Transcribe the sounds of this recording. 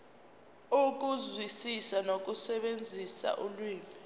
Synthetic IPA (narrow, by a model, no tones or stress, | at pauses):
uk̬ʼuzwisisanok̬ʼusɛɓend͡zʱisa̰ʔulwiːmi